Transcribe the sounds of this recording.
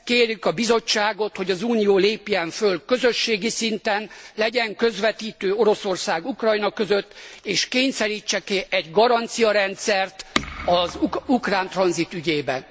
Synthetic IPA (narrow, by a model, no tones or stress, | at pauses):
keːrjykɒbizo̞t͡ʃːaːɡo̞t̪ho̞ɟɒzuːnijoːleːpjɛɱfølkø̞zø̞ʃːeːɡisint̪ɛnlɛɟɛŋkø̞zʋɛt̪iːt̪øːo̞ɾo̞so̞rsaːɡukrɒjnɒkø̞zø̞t̪ːeːʃkeːɲsɛɾiːt͡ʃːɛkiʔɛɟɡɒɾɒnt̪sijɒɾɛnt̪sɛrt̪ɒzukraːnt̪rɒnzit̪yɟeːbɛ̰n